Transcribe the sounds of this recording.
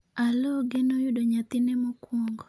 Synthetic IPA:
alɔɡenojʊdoɲat̪ɪnɛmɔkwɔŋɡɔ

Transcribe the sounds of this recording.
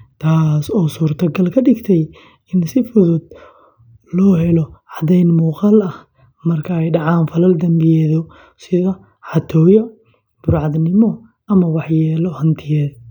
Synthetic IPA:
t̪ʰaːsɔːsuːrt̪ʰɐɡɐlkʰɐɖɪɡt̪ʰɛj | ɪnsɪfʊðʊd̪̚ | lɔːɦɛlɔʕɑd̪ɛjnmuːqɑlɐh | mɐrkʰaɛjɖɑʕɑːnfɐlɐld̪ɐmbɪjɛːðɔ | sɪðɐ | ħɑt̪ʰɔːjɔ | b̥ʊɾʕɑðnɪmɔ | ʔɐmɐwɑħjɛːlɔhɐnt̪ʰɪjɛːð

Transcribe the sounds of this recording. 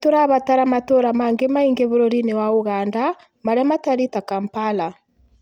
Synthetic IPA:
toɾaβataɾamatoɾamaŋɡemaiŋɡeβoɾɔɾinewaoɣaːnda | maɾamataɾitakampala

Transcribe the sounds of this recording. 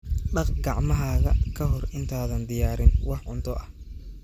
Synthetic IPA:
ɖɑqɡɑʕmɐɦaːɣɐkʰɐɦɔrɪnt̪ʰaːðɐnd̪ɪjaːɾɪnwɑħʕʊnt̪ʰɔʔɐh

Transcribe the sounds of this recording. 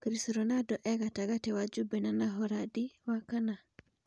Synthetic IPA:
kɾisɾɔnadɔʔɛɡataɡatɛwad͡ʒubɛnanaɦɔɾadiwakana

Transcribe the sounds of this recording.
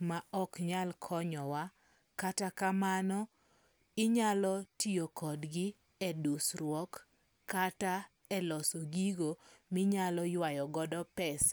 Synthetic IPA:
maɔkɲalkʰɔɲɔwa | katakamanɔ | ɪɲalɔtiokʰɔdɡɪ | ɛdusrwɔkː | ata | ɛlɔsɔɡiɡomɪɲalɔjwajɔɡɔdɔpɛs

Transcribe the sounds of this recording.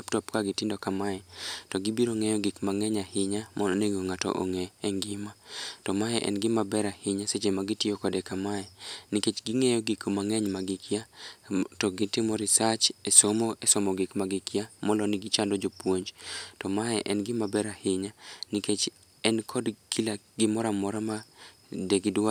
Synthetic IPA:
aptɔpkaɡɪtɪndɔkamaɛtɔɡibiɾoŋɛjɔɡɪkmaŋɛɲahɪɲamɔneɡoŋatɔ̰ʔo̰ŋɛːŋɡɪmatɔmaɛʔɛ̰nɡɪmabɛɾahɪɲaset͡ʃemaɡɪtɪjokɔdɛkamaɛniket͡ʃɡiŋejɔɡikmaŋɛɲmaɡɪkʰja | tɔɡɪtɪmɔɾɪsat͡ʃesomoesɔmɔɡɪkmaɡɪkʰɪjamɔlɔnɪɡɪt͡ʃandɔd͡ʒopwoɲd͡ʒtɔmaɛʔɛnɡɪmabɛɾahɪɲaniket͡ʃ | ɛnkʰɔdkilaɡɪmɔɾamɔɾama | deɡidwa

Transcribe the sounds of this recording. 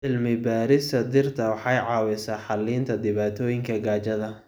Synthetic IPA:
ʕɪlmɪbaːɾɪst̪ʰɐd̪ɪrt̪ʰɐwɑħɑjʕɑːwɛsaːħɑliːnt̪ʰɐd̪ɪβaːt̪ʰɔːjɪŋkʰɐɡaːt͡ʃɐðɐ

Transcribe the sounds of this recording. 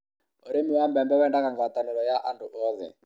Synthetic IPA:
oɾemiwambɛmbɛwɛndakaŋɡat̪anɛɾɔjaʔandʊʔɔðɛ̰

